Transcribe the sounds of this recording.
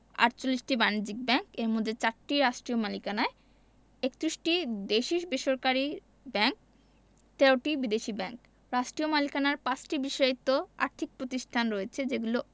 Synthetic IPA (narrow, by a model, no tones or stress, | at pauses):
a̰ʈt͡ɕolːiʃʈibanid͡ʑik̚bɛŋkeɾmod̪ʱːet͡ɕaɾʈiɾaʃʈɾiomalikanae | ekt̪ɾisʈid̪eʃiʃbeʃoɾkaɾi | bɛŋk̚ | t̪ɛɾoʈibid̪eʃibɛŋk | ɾaʃʈɾiomalikanaɾpãt͡ɕʈibiʃaɾit̪ːoa̰ɾt̪ʰik̚pɾot̪iʃʈʰanɾoet͡ɕʰed͡ʑeɡulo